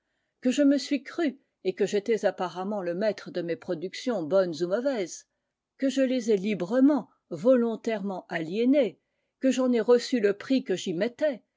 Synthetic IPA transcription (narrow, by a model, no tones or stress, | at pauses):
kəʒəməsɥikχy | ekəʒet̪ɛzapaʁamɑ̃ləmɛt̪χəd̪əmepχɔd̪yksjɔ̃bɔnzumɔvɛz | kəʒəlezɛlibʁəmɑ̃ | vɔlɔ̃t̪ɛʁmɑ̃aljene | kəʒɑ̃nɛʁəsyləpχikəʒimɛt̪ɛ